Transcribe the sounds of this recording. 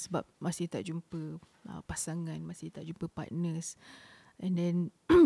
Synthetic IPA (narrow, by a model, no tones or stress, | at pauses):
səba̰p̚masiht̪aʔd͡ʒumpəʔə̰pasaŋãnmasit̪aʔd͡ʒumpəpa̰k̚nəs | ɛ̃ndɛ̃n